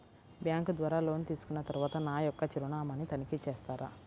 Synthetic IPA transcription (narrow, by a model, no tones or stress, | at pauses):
bjaːŋkd̪ʋaːɾaːlo̞ːnt̪iːsu̥kunːɐt̪ɐɾuʋaːt̪ɐnaːjɔkːɐt͡ʃiɾuɳaːmaːnit̪ɐnikit͡ʃɛːst̪aːɾʔa̰ː